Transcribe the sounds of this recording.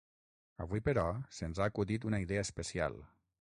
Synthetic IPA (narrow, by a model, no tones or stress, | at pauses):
əβwuipəɾɔsənzaːkuðit̪unaiðɛəspəsia̰lˠ